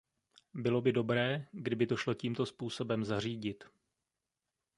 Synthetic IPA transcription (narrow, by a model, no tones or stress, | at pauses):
bɪlo̞bɪdo̞bɾɛːɡdɪbɪdoʃlo̞ciːmt̪o̞spuːso̞bɛmzar̝iːɟɪt̪